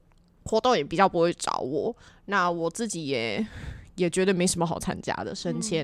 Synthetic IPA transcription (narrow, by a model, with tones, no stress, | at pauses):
xwɔ˧˥t̪ŋjɛ˨˩pi˨˩t͡ɕjɑ˥˩pu˧˥xwe˥˧ɪʈ͡ʂɑ̰˨˩ʊwɔ˨˩˦na˥˩wɔ˨˩t͡sɹ̩˥˩t͡ɕi˨˥jɛ˨˦jɛ˨˩t͡ɕɥɛ˧˥d̪ə˨me˧˥ɪʂə˧˥nmə˧xɑ˨˩ʊt͡sʰa̰˥nt͡ɕja̰˥d̪ə̰˨ʂə˥nt͡ɕʰjɛ˥